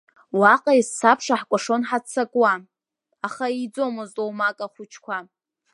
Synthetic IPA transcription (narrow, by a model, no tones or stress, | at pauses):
waqʼaisːapʰʂaħkʷʼaʂonħat͡sʰːakʼwa | aχaid͡zo̞mɨztʼowmakʼaχʷʊt͡ʃʰkʷʰa